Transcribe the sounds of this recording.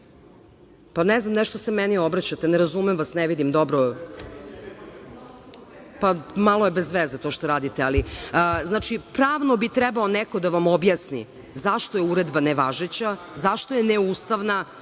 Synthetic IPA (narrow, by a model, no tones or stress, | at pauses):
panɛznamnɛʃt̪osemɛniobɾat͡ɕat̪eneɾazumɛmʋasnɛʋid̪imd̪obɾo | pamalˠojebezʋezet̪oʃt̪oɾaːd̪it̪ealiznaːt͡ʃipɾaːʋnobit̪ɾɛbaonɛko̞d̪aʋamobjasnḭ | zaʃt̪ojeuɾed̪baneʋaʒet͡ɕa | zaʃt̪ojeneust̪aʋna